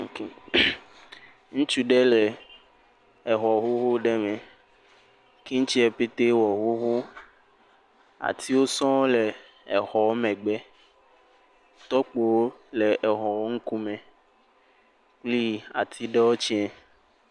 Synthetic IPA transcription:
k | ŋũ˦t͡ʃu˦ɖe˦le˨ | e˨ɦɔ˨ɦo˦ɦo˦ɖe˦mẽ˨ | ke˦ŋ̩˦t͡ʃi˦ɛ˨pe˦t̪e˦wɔ˨ɦo˦ɦo˦ | a̰˨t̪i˦wo˦sɔ̃˦le˨ | ɛ˨xɔ˨˦mɛ̃˨ɡ͡bɛ˦ | t̪ɔ˦k͡po˨wo˦le˨ʔɛ˨ɦɔ˨wo˦ŋ̩˦ku˦mẽ˨ | k͡pli˦a˨t̪ʰi˦ɖe˦wo˦t͡ʃi˦ɛ˨

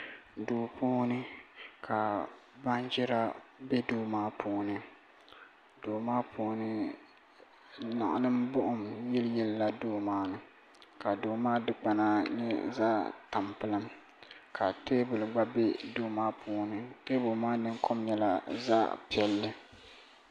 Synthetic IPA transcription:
doː˨puː˦nɨ˦kʰa˨ | ba˦nd͡ʒɛ˦ɾa˦bɛ˦doː˦maː˦pʰuː˦nɨ˦ | doː˨maː˦pʰuː˨˦nɨ˦ | na̰˨ʔlɨ˦mbʊ˦ʔʊ˦˨mjɛ˦ljɛ˦lla˨doː˦maː˦nɨ˨ | ka˨doː˨maː˦dɨ˦k͡pa˨na˦ɲɛ˦zaː˦ta˨mpɨ˨˦lɨ˦m | kʰa˨teː˦bɨ˨lɡ͡ba˦bɛ˦doː˦maː˦pʰuː˦nɨ˦teː˦bʊ˨maː˦nɨ˦ŋkʰɔ˦mɲɛ˦la˨za̰ː˦pi˦ɛ˦lːɨ˦

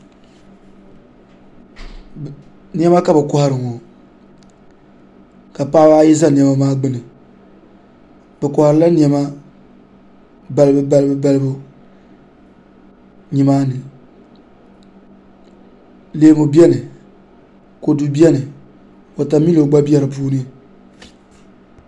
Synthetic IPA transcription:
ni˦ɛ˦ma˦ka˨bɛ˨kʊ˨ha˨ɾɨ˨ŋɔ˨ | ka˨paː˦wa˦ji˦za˦ni˨ɛ˨ma˦maː˦ɡ͡bɨ˦nɨ˨ | bɛ˨kʊ˨ha˨ɾɨ˨˦la˦ni˨ɛ˨ma˦ | ba˨lɨ˦bɨ˦ba˦lɨ˦bɨ˦ba˦lɨ˦bʊ˦ | ɲi˨maː˦nɨ˨ | leː˨mu˨bi˦ɛ˦nɨ˨ | ko˨du˨bi˦ɛ˦nɨ˨ | o˨ta˨mi˦lo˨ɡ͡ba˦bi˦ɛ˦ɾɨ˨puː˦nɨ˦

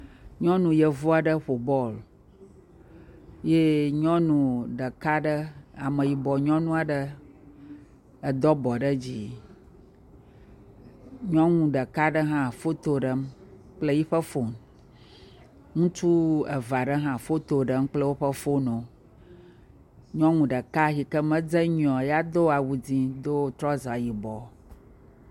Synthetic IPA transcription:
ɲɔ̃˦nũ˨jə˨vu˦a˨ɖə˦ɸo˨bɔ˦˨l | je˦ɲɔ̃˦nũ˨ɖə˨ka˦ɖə˦a˨mə̃˨ji˨bɔ˨ɲɔ̃˦nũ˦a˨ɖə˦ | ə˨d̪ɔ˦bɔ˨ɖə˦d͡ʑi˨ | ɲɔ̃˦ŋũ˦˨ɖə˨ka˦ɖə˦ɦã˦fo˦t̪o˦ɖə˦m | k͡plə˦ji˦ɸə˦fo˦m | ŋũ˦t͡ʃu˦ə̰˨va˨ɖə˦ɦã˦fo˦t̪o˨ɖə˦m˦k͡plə˦wo˦ɸə˦fo˦nõ˨ | ɲɔ̃˦ŋũ˨ɖə˨ka˦ʃi˨kə˦mə̃˦d͡zə˦ɲɔ̃˨ja˦d̪o˦a˨wu˨d͡zĩ˦d̪o˦t̪ɾɔ˦zɔ˨a˨ji˨bɔ˨

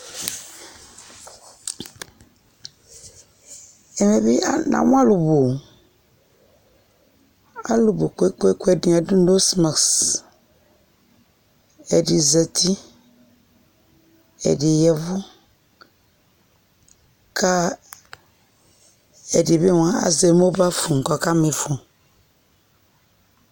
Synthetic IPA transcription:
ɛ˨mɛ˨bɪ˦˨nã̰˨wʊ̃˦a˦lʊ˨bo˨ | a̰˦lʊ˨bo˨ko˨˦e˦ko˦e˦kɛ˨di˨a˨dũ˦n̩˦do˦sma˨ks | ɛ˨dɪ˨zə˨tʰi˦ | ɛ̰˨dɪ˨jɛ˨vʊ˦ | kʰa˦ | ɛ˨dɪ˨be˦wã˨˦a̰˨zɛ˨mo˦ba˦fũ˨ŋ̩˨kɔ˨ka˦mɪ˨fʊ̃˨

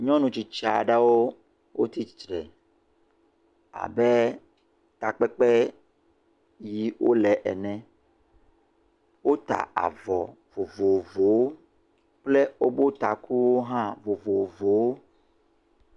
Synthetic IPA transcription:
ɲɔ̃˦nũ˨t͡ɕi˨t͡ʃa̰˨ɖa˦wo˦ | wo˦t̪i˦i˨t͡ʃɾɛ˨ | a̰˨bɛ˦ | t̪a˨k͡pɛ˦k͡pɛ˦ | ji˦wʔo̰˦lɛ˨ʔɛ̰˨nɛ̃˦ | wo˦t̪a̰˨a̰˨vɔ˨ | vo˨vo˨vo˨wo˦ | k͡ple˦wo˦bo˦t̪a˨ku˦wo˦ɦã˦vo˨vo˨vo˨wo˦

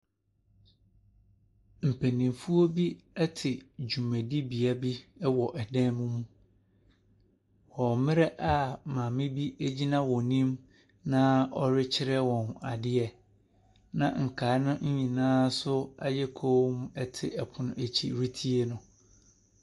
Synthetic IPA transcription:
m̩˨pʰæ̃˨nĩ˨mfu˦o˦bi˦ɛ˦tʰɪ˨d͡ʑu˨mæ̃˨di˦bi˨a˦bi˦ɛ˦wɔ˨ʔɛ˨dɛ̃˦mũ˦mũ˦ | wɔ˨mɪ̃˦ɾɛ˦ʔa˦mãː˨mɪ̃˦bi˦æ˦d͡ʑi˦nã˦wɔ˨nĩ˦m | nã˦ɔ˦ɾɪ˦t͡ɕʰɪ˦ɾɛ˦wɔ̃˨na˨dɪ˦ɛ˨ | nã̰˨ŋ̩˨kʰaː˨˦nʊ̃˦ɲ̩˦ɲĩ˨nãː˦sʊ˦a̰˦jɛ˦kʰo˦m˦ɛ˦tʰɪ˨ɛ˨pʰʊ̃˦nʊ̰̃˦e˨t͡ɕʰḭ˨ɾi˦tʰi˦e˦nʊ̃˦

